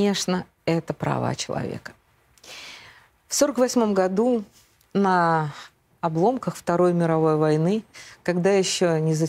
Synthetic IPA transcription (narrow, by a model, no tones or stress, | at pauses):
e̞ʂnə | ɛt̪əpɾɐ̰va̰t͡ɕɪlˠɐ̰vʲḛkə̥ | fso̞ɾəkvɐsʲmo̞mɡɐd̪u | nə | ɐblˠo̞mkəxft̪ɐɾo̞jmʲɪɾɐvo̞jvɐjnɨkɐɡd̪ajɪɕːonʲɪzə